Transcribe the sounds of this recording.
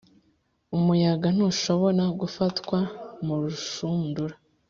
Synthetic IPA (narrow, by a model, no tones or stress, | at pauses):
umujaɡan̥uːʃo̞βo̞ɾaɡufatkwamuɾuʃunduɾa